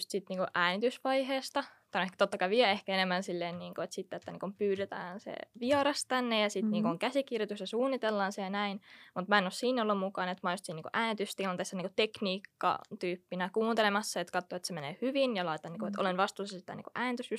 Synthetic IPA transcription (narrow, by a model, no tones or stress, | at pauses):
st̪sit̪niːŋkuʔæːnit̪ysʋɑiheːst̪ɑt̪ɑnekt̪ot̪ːɑkɑiʋiɛehkæenemːænsilːeːnniːŋkoet̪sit̪ːet̪ːænḭːŋkumpyːɾet̪æ̰ːnsḛʋiɑɾɑst̪ænːejɑsit̪niːŋkuoŋkæsikirjot̪usjɑsuːnːit̪elːɑːnsejɑnæinmut̪mæenossiːnolːummukˑɑːnet̪mɑjust̪siniŋkuʔæːnit̪yst̪ilɑnt̪eːsːæniːŋkut̪ekniːkːɑ̰t̪yːpːinækuːnt̪elemɑsːɑet̪kɑt̪ːoet̪semenḛːhyʋinjɑlɑit̪ɑnːiŋkuet̪o̰lenʋɑst̪uːsɑsi̥t̪æ̰nḭːŋkuʔæːnit̪ysjus